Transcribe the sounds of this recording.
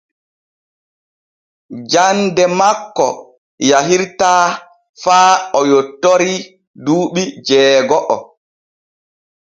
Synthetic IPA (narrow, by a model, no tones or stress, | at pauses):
d͡ʒandɛmakːɔ̰ | jaɦiɾtaː | faːɔjotːoɾi | duːɓid͡ʒɛːɡɔʔɔ